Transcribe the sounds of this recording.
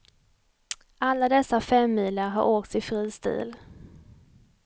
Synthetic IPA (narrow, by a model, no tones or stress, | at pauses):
ʔalːad̪ɛsːafɛmːiːləɾɦa̰ɾʔoːk̚t̪sɪfɾiːst̪ʉ̰ːl